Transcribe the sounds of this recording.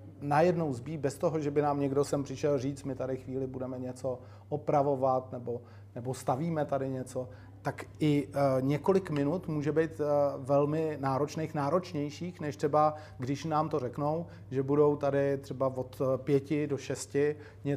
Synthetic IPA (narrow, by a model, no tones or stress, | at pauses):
najɛdno̞wzbiːbɛst̪oɦoʒɛbɪnaːmɲɛɡdosɛmpr̥ɪʃɛlriːt͡st̪mɪt̪adɪxviːlɪbudɛmɛɲɛt͡so̞ | ʔopɾavo̞vat̪nɛbo̞ | nɛbo̞st̪aviːmɛt̪adɪɲɛt͡so̞ | t̪akʔɪɲɛko̞lɪkmɪnut̪muːʒɛbejt̪vɛlmɪnaːɾo̞t͡ʃnejxnaːɾo̞t͡ʃɲɛjʃiːxnɛʃt̪r̥ɛba | ɡdɪʃnaːmt̪o̞rɛknow | ʒɛbudo̞wt̪adɪt̪r̥ɛbavo̞t̪pjɛcɪdo̞ʃɛscɪ | ɲɛ